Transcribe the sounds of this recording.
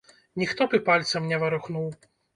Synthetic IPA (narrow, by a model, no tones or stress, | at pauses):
nʲixt̪ɔpɨpalʲt̪sɐmnʲɛvɐɾuxnuw